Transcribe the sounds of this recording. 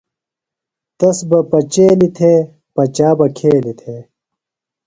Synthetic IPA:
t̪ɐsbɐpɐt͡ɕeːlit̪ʰeː | pɐt͡ɕaːbɐkʰeːlit̪ʰeː

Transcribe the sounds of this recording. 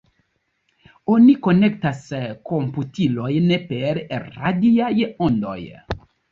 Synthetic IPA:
onikonektaskomputilojnepeɾɾadiajondo̰j

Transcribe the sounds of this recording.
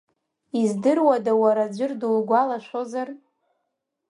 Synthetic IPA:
izdɨrwadawaɾad͡ʒʷʊrdulɡʷalaʃʷozar

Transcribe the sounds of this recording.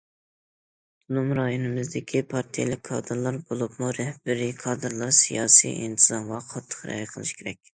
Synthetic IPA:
ulˠumɾɑjonɨmɨzd̪ɪkʲʰipʰɑɾt̪ʰijḛlɪk̚ʲkʰɑ̰ːd̪ɨɾlˠɑɾbolˠupmuɾɛhbɪɾikʰɑːd̪ɨɾlˠɑɾsijɑːsḭʔḭnt̪ʰɨzɑnvɑqʰɑt̪ʰːə̥χɾɛ̰jɨqʰəlˠɨʃkʲʰeɾɛk̚ʲ

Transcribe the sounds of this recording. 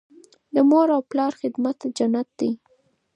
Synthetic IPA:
d̪əmoɾawplɑɾxɪd̪mat̪d͡ʒanːat̪̚d̪ij

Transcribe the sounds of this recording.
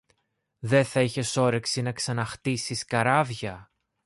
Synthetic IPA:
ðe̞θɐiçe̞so̞ɾe̞ksinɐksɐnɐxt̪isiskɐɾɐvʝɐ

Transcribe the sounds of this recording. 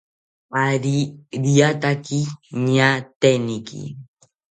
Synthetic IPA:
aɾiɾiat̪akiɲat̪enikḭ

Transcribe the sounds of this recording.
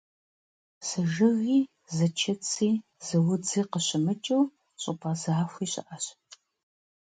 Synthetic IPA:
sɨʒɨɣiː | zɐt͡ʃʰɐt͡sʰʼiːz̥ɨwʊd͡ziːqəɕɪmɨt͡ʃʼɐw | ɕʼʊpʰʼazaːxʷiːɕʼɐ̰ʔɐɕ

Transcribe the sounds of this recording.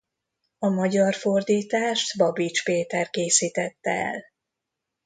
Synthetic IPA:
ɒmɒɟɒrfo̞rd̪iːt̪aːʃt̪bɒbit͡ʃpeːt̪ɛrkeːsiːt̪ɛt̪ːɛɛ̰l

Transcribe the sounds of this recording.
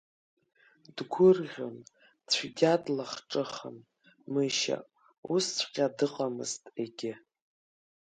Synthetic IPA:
dɡʷʊrʁʲo̰n | t͡ɕʷʰidʲadlaχʈ͡ʂʼɨχə̰n | mɨʃa̰ | ust͡ɕʰʷqʲʼadɨqʼamɨ̰ztʼe̞ɡʲɪ

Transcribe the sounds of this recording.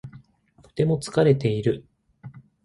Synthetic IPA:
t̪o̥t̪e̞mo̞t͡sɨ̥kaɾe̞t̪e̞iɾɯ̟

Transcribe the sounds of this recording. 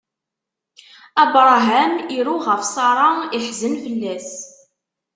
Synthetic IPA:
æbɾˤɑɦæmiɾuʁəfsˤɑɾˤɑiħzənfəlːæs

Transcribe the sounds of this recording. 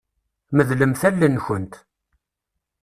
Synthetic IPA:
məðləmθælːənçənt̪

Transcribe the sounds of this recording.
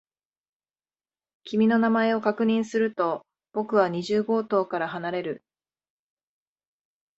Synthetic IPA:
kʲimʲino̞namae̞o̞kakɯ̟ɲ̟ĩɰ̃sɨɾɯ̟t̪o̞ | b̥o̞kɯ̟β̞aɲ̟iʑɨːɡo̞ːt̪o̞ːkaɾaɦanaɾe̞ɾɯ

